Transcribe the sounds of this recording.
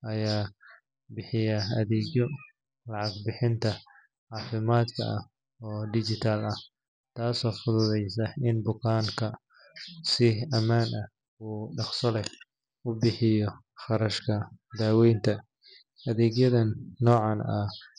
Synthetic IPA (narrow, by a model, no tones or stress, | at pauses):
ʔɐjaː | bɪħɪjɐɐðɛːɡjɔ | lɑʕɑɡbɪħɪnt̪ʰɐ | ʕɑːfɪmaːd̪kʰɐ̰ʔɐh | ɔːɖɪt͡ʃɪt̪ʰaːlɐh | t̪ʰaːsɔːfʊðʊðɛjsɐɪnbʊkʰaːŋkʰɐ | sɪɐmaːnʔɐ | uːɖɑχsɐlɛ | ʊbɪħɪjɔ | χɑɾɐʃkʰɐd̪aːwɛjnt̪ʰɐ | ʔɐðɛːɡjɐðɐnːɔːʕɑnɐ̰